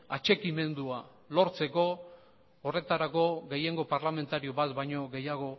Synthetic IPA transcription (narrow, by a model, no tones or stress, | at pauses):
at͡ʃe̞kime̞nd̪ua | lo̞ɾt͡se̞ko̞ː | re̞t̪aɾako̞ɣe̞je̞ŋɡo̞paɾlame̞nt̪aɾio̞βat̪bajɲo̞ɣe̞jaɣ̞o̞